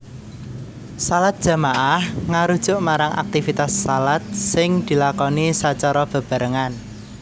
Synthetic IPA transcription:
salat̪̚d̥ʒ̥a̤maʔahŋaɾud̥ʒ̥ʊ̤ʔmaɾaŋʔa̰k̚t̪ifit̪asːalat̪̚sɪŋd̪̥i̤lakɔnisat͡ʃɔɾɔb̥a̤b̥a̤ɾəŋan

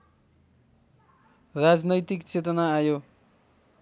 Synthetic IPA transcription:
rad͡znʌjt̪ikt͡set̪ʌnaːjo

